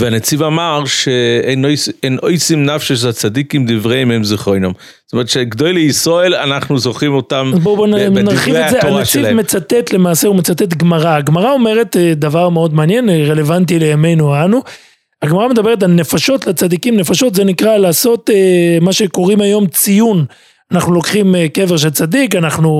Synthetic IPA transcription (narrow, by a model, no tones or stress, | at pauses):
veanet͡sivamaʁʃeenojsenojsimnafʃaʃat͡sadikimd̪ivʁeimemziχojnom | tomɛʁt̪ʃeɡd̪ojleisʁoelanaχnuzoχimotamazbobonnaʁχimezeanet͡sivmet͡sat̪et̪le̞maːseumet͡sat̪et̪ɡmaʁaːɡmaʁao̞me̞ʁet̪ed̪avaʁmeo̞d̪meanje̞nʁe̞le̞vant̬ile̞jame̞jnuanu | aɡmaʁamed̪abe̞ʁet̬alne̞faʃo̞t̪lat͡sad̪ikimne̞faʃo̞t̪ze̞nikʁalaːso̞t̪emaʃe̞ko̞ʁimajo̞mt͡sijun | anaχnulo̞kχimke̞veʁʃ̬elt͡sad̪ikanaχnu